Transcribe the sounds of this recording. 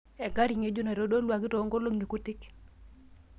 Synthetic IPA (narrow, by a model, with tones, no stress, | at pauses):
ɛ˨ɡa˦ɾi˨ŋe˦d͡ʒu˦na˨ɾo˦do˦lwa˨ki˦to˨˦ŋɡo˦lo˦ŋɡi˨ku˦tɪ˦k